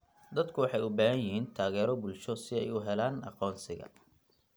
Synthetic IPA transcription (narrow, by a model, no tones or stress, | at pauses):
d̪ɐd̪kʰʊwɑħɑjʊbaːɦɐjɪɦiːnt̪ʰaːɣɛːɾɔbʊlʃɔsɪɛjʊɦɛlaːnɑ̰qɔːnsɪɣɐ̰